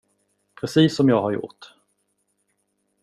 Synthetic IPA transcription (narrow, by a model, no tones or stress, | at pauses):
pʰɾɛsiːsːɔmjɑːɡhaɾjʊ̰ʈ